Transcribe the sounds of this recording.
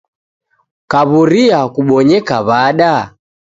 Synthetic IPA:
kaβuɾiakuɓɔɲɛkaβaɗa

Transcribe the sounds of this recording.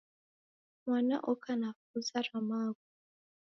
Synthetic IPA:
mwana̰ʔɔkanafuzaɾamaːku

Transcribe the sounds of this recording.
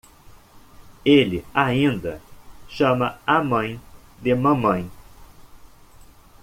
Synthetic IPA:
elɪaĩnd̪ɐʃɐ̃mɐamɐ̃j̃d̪ɪmɐ̃mɐ̃j̃

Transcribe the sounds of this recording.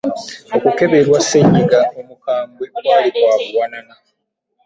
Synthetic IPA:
okuke̞βe̞lwasːeɲːiɡaomukaːmbweβwaːlikwaːβuwanana

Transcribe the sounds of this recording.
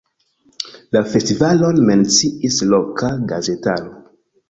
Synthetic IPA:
lafestivalo̞nment͡siislokʰaɡazetano

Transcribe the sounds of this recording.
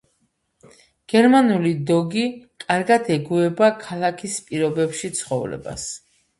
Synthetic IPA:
ɡ̥ɛɾmanulid̪ɔɡikʼaɾɡad̪ɛɡuɛbakʰalˠakʰispʼiɾɔbɛpʃit̪sʰχɔvlɛ̰ba̰s

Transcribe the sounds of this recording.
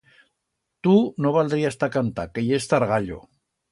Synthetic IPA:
t̪unoβalˠd̪ɾiast̪akant̪akejest̪aɾɣaʎo̰

